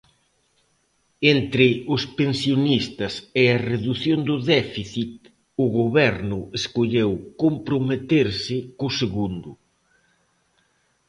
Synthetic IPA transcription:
ent̪ɾɪʊspensjonist̪ɐsɪɐreðuθjond̪ʊðɛfiθit̪̚ | ʊɣoβɛɾnʊeskoʎewkompɾomet̪eɾsɪkʊseɣund̪ʊ

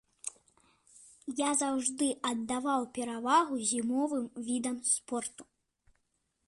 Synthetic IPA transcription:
jazawʐd̪ɨʔɐd̪ːavawpʲɛɾavaɣuzʲimɔvɨmvʲid̪ɐmspɔrt̪u̥

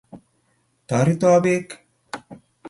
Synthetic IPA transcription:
t̪aɾit̪aːbeːk

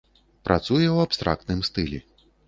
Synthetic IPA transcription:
pɾʔat̪sujɛwapst̪ɾʔa̰k̚t̪nɨmst̪ɨlʲi

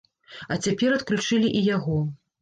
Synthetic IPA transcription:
ɐt͡sʲapʲɛɾɐt̪klʲut͡ʂɨlʲiʔijaɣɔ

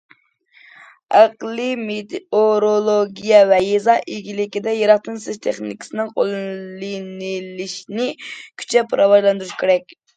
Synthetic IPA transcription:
ɑqlˠimet̪oɾolˠoɡʲijɛvɛjezɑʔiɡʲilɪkʲid̪ɛjeɾɑq̚t̪ɨnsɪzt̪ʰeχnikʲʰɪ̥sɨnɪŋqʰo̰lˠlɪnɪlɪʃnɪkʲʰy̥t͡ʃʰɛpʰɑɾʔɑvɑʒlˠɑnd̪uɾuʃkʲʰeɾɛkʲ

